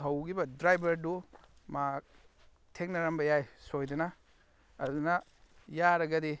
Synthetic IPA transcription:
ɐwɡibɐdɾajbʱɐɾdu | mak̚ | tʰeknɐɾɐmbɐjajsojdɐnɐ̰ː | dunɐjaɾɐɡɐdi

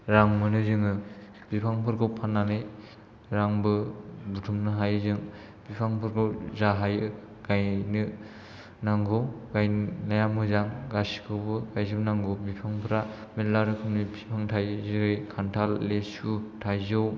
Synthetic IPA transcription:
ɾaŋmɯnɯzɯŋɯ | bipʰaŋpʰɯɾɡɯwpʰanːanɯj | ɾaŋbɯbutʰumnɯɦajzɯŋ | b̥ipʰaŋpʰɯɾɡɯwzaɦajɯ | ɡ̥ajnɯ | naŋɡowɡajnajamɯzaŋɡasi̥kʰɯwbɯɡajzɯbnaŋɡowbipʰaŋpʰɯɾametlaɾɯkʰɯmnɯpʰipʰaŋtʰajzɯɾɯjkʰantʰalːesutʰajzɯw

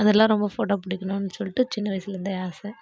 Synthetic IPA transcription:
ɐðɛlːãːɾɔmbɐfoːʈoːpʊɽɪkʲːɐnʊ̃nːɯsɔlːɪʈːɯt͡ʃɪnːɐʋɐjɪsɪlɾɯnd̪ɐaːsɛ

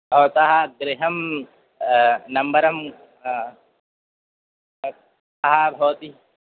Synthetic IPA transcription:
bʱɐʋt̪aɦɐɡɾɪɦɐm | nɐmbɐɾɐm | aɦɐbʱɐʋt̪i

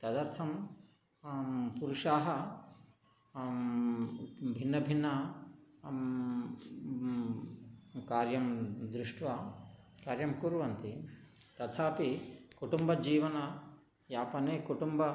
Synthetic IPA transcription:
t̪ɐd̪ɐɾt̪ʰɐm | puɾuʂaːɦɐ | bʱinːɐbʱinːɐ | kaːɾjɐmd̪ɾuʂʈʋa | kaːɾjɐmkuɾʋɐnt̪i | t̪ɐt̪ʰaːpikuʈumbɐd͡ʒiːʋɐnɐ | jaːpɐneːkuʈumbɐ

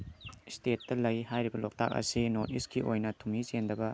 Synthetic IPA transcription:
stetːɐlɐjhajɾibɐlok̚tʰa̰k̚ɐ̰sinotiskiʔojnɐtʰumisendɐbɐ

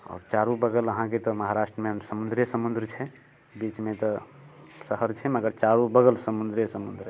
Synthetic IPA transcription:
ɔ̰ːɾt͡ʃaɾubəɡələɦãket̪ɔməɦaɾasʈɾəmesəmund̪ɾjəsəmund̪ɾt͡ʃʰɛ | bit͡ʃmet̪ɔ | səɦəɾt͡ʃʰɛməɡəɾt͡ʃaɾubəɡəlsəmund̪ɾjəsəmund̪ɾ

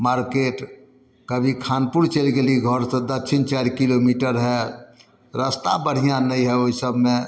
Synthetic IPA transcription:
maɾkeʈ | kəbʱikʰanpuɾt͡ʃelɡeliɡʱəɾsə̃d̪ətːʃʰint͡ʃaɾkilomiʈəɾɦɛ | ɾast̪abəɽ̤ijanəiɦɛoɦisəbʱmẽ

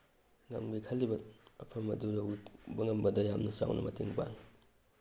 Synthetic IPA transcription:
ŋɐ̰mɡikʰɐlːibɐɐpʰɐmːɐ̰dujowɡbɐŋɐmbɐdɐjamnɐsa̰wnɐ̰mɐtiŋba̰ŋ

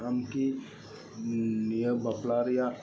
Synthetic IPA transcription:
amki | nijəbəplaɾja

